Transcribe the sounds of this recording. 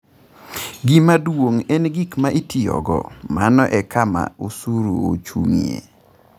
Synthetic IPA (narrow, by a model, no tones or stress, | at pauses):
ɡimadwoŋɛnɡikmaʔitiɔ̰ɡɔ̰manɔʔɛkʰama̰usuɾuo̰t͡ʃuŋijḛ